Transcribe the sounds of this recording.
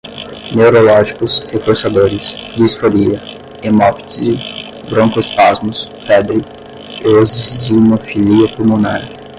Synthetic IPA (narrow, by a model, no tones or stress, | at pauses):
neoɾolɔʒikʊshefoɾsad̪oɾɪsd̪isfoɾiɐ | emɔpi̥t͡ʃɪz | bɾõŋkʊɪspazmʊsfɛbɾɪ | ozzinofiliɐpulmuna̰ɾ